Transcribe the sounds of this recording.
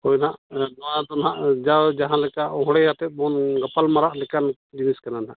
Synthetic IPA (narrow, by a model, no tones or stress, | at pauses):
hɔjnaʔnɔwad̪ɔnɦaʔd͡ʒad͡ʒaɦãlɛkaʔɔɦɽɛat̪ɛt̪̚ˀbɔnɡapalmaɾaʔlɛkan | d͡ʒiniskananaʔ